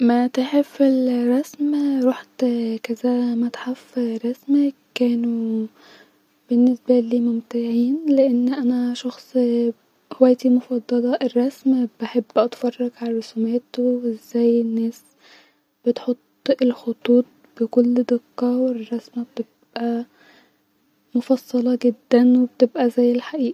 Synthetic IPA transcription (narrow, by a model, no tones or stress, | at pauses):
mæt̪eħefelɾˤɑsmɾuːħt̪kæzæmæt̪ħafɾˤɑsmækːæːnu | b̥enːesbæliːmomt̪aʕiːnleʔenːʔænæʃɑxsˤ | howæjt̪imofɑd̪ˤːɑlɑʔerˤːɑsmbeħebːʔɑt̪fɑrˤːɑɡʕalɾˤosumeːt̪owezːæjenːæːs | b̥et̪ħot̪ˤːelxot̪ˤuːt̪̚ˤb̥ekolːd̪ɪqːɑwerˤːɑsmæb̚t̪ebʔʔæ | mofɑsˤːɑlɑɡed̪ːænweb̚t̪ebʔæzæjːelħaʔiːʔæ